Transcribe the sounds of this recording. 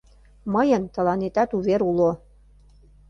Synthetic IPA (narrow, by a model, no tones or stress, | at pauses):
məjə̆nt̪ɤ̆lɑnet̪æt̪uβeɾulo